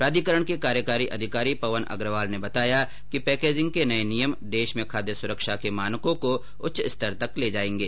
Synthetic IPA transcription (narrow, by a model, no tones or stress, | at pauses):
pɾaːd̪ʱikəɾəɽ̃kekaːɾjəkaːɾiʔɐd̪ʱɪkaːɾipɐʋənʔɐ̰ɡɾəʋaːlnebɐt̪aːja | kipɛːkeːd͡ʒɪ̃ŋɡ̚kenɐenijəmd̪eːʃmẽkʰaːd̪esʊɾəkʃakemaːnkõko | ʊtːʃɪst̪əɾt̪ɐkleːd͡ʒaːẽːŋɡeː